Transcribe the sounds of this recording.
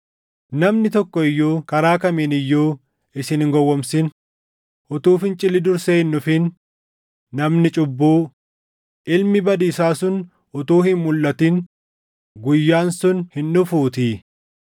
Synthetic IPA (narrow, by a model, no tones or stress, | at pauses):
nɐmnɪt̪ɔkːɔɪjːoːkɐɾaːkɐmiːnɪjːoː | ɪsɪnɪŋɡɔwːɔmsɪn | ʔʊt̪uːfɪnt͡ʃʼɪlːɪd̪ʊɾseːɪnːʊfɪnː | ɐmnɪt͡ʃʼʊbːoː | ʔɪlmɪbɐd̪iːsaːsʊn | ʔʊt̪uːhɪnmʊlːɐt̪ɪn | ɡʊjːaːnsʊnhɪnːʊfuːt̪i